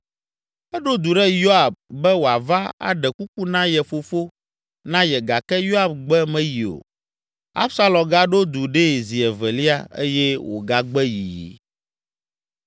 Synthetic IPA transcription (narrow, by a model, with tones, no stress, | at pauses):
ɛ˦ɖo˦d̪u˨ɖɛ˦jo˦a˨b̚bɛ˦wo˨a˨va˦a̰˨ɖɛ˨ku˦k̚u˦nã˦jɛ˨fo˨fo˦ | nã˦jɛ˨ɡa˨kɛ˦jo˦a˨bɡ͡bɛ˦mɛ̃˦ji˨o̰˨ | a̰˦bsa˦lɔ̃˨ɡa˦ɖo˦d̪u˨ɖɛ˦˨zi˨ɛ˨vɛ˨li˦a˦ḛ˦jɛ˦wo̰˨ɡa˦ɡ͡bɛ˦ji˨jḭ˨˦